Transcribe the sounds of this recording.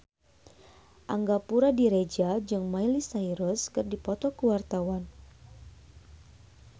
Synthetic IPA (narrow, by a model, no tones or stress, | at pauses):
ʔaŋɡapuɾadiɾed͡ʒad͡ʒɨŋmailisaiɾɔskɨrdipɔt̪ɔkəwart̪awan